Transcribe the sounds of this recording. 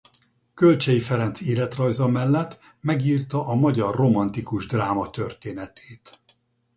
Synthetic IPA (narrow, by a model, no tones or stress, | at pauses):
kølt͡ʃɛjifɛɾɛnt̪seːlɛt̪rɒjzɒmɛlːɛt̪ː | mɛɡiːrt̪ɒʔɒmɒɟɒrːo̞mɒnt̪ikuʒd̪raːmɒt̪ørt̪eːnɛt̪ʰeːt̪